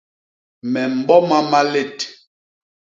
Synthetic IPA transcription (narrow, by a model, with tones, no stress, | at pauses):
mɛ˨m̩˨bɔ˦ma˦ma˦le˦˨t